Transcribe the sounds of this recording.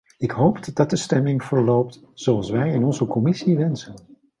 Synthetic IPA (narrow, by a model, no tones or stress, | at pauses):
ɪkɦowpd̥ɑt̚dəstɛmɪŋvəɹlowp̚t | z̥owɑlˠsʋɛjɪnɔnzəkɔmɪsiʋɛnsən